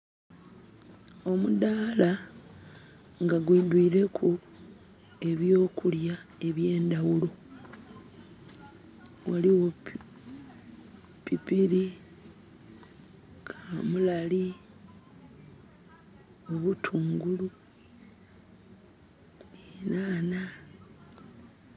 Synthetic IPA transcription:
o̞mud̪aːla | ŋɡaɡwidwiːɾe̞kʰu | e̞βjo̞ːkuljae̞βje̞ːnd̪awulo | waliwo | pipiɾi | kʰamulali | o̞βutʰuːŋɡulu | ninaːna

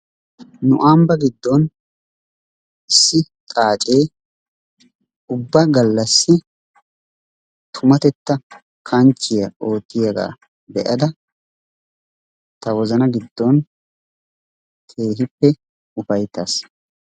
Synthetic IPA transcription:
nʊ̰ʔaːmbɐɡɪd̪ːɔn | ɪsːɪt̪ʼaːt͡ʃʼe̞ː | ʊbːɐɡɐlːɐsːɪ | t̪ʰʊmɐt̪ɛt̪ːɐ | kʰɐnt͡ʃːɪjɐʔo̞ːt̪ːɪjɐɡa̰ː | bɛʔɐd̪ɐ | t̪ɐwɔzɐnɐɡɪd̪ːɔn | kʰe̞ːɦɪpːɛ | ʊfɐjt̪ːaːs

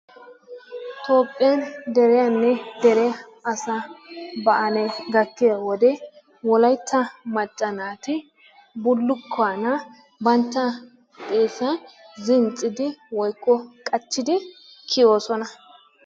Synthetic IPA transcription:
t̪ʰo̞ːpʼːɪjɐnd̪ɛɾɛjanːɛd̪ɛɾɛ | ɐsabɐʔɐnɛɡɐkːɪjawɔd̪ɛ | wɔlɐjt̪ʰːɐmɐt͡ʃʼːɐnaːt̪ɪ | bʊlːʊkʰːaːnɐ | bɐnt̪ːɐ | t̪ʼeːfɐjzɪnt͡sʼɪd̪ɪwɔjkːɔkʼɐt͡ʃːɪd̪ɪ | kʰɪjo̞ːsɔnɐ

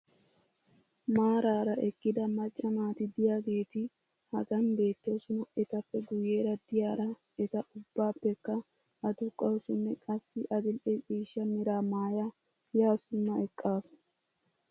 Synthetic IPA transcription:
maːɾaːɾɐʔɛkːɪd̪ɐmɐt͡ʃʼːɐmaːt̪ɪd̪ɪjaːɡe̞ːt̪ɪ | hɐɡɐnbe̞ːt̪ːosʊnʊɛt̪ɐpːɛɡʊje̞ːɾɐd̪ɪjaːɾɐ | ɛt̪ɐʔʊbːaːpːɛkːɐ | ʔɐd̪ʊkʼːɐwsʊnːɛkʼɐsːɪʔɐɡ̪ɪlʔɛkʼiːʃːɐmɪɾaːmaːja | jaːsʊnːɐɛkʼːaːsʊ̥n

